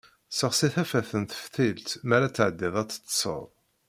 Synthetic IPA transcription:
səʁsiθæfæθənt̪ə̥fθilt̪mæɾæt͡sːəʕəd̪ːɪðˤæt͡sːə̥t͡s̪ːsˤə̰ðˤ

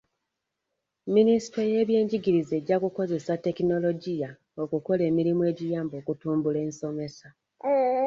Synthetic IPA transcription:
minisi̥toje̞ːβje̞ːɲɟiɡiɾize̞ːɟːakuko̞ze̞sate̞kino̞lo̞ɟija | o̞kuko̞le̞ːmiɾimue̞ːɟijaːmbo̞ːkutuːmbule̞ːnso̞me̞sa

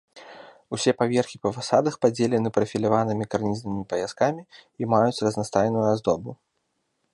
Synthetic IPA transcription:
usʲɛpavʲɛrxʲipɐvasad̪ɐxpad͡zʲelʲɛnɨpɾɐfʲilʲavanɨmʲikarnʲiznɨmʲipɐjʲaskamʲiːmajut͡sʲrɐznast̪ajnujuazd̪ɔbu

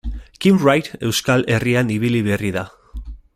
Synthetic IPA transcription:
kimrajt̪e̞wskalʔe̞rianiβiliβe̞riða

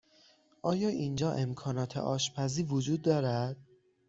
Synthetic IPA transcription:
ʔɒːjɒːʔind͡ʒɒːʔe̞mkʰɒːnɒːt̪ʰḛʔɒ̰ːʃpʰæziːɾvod͡ʒuːd̪ːɒːɾæd̪̥

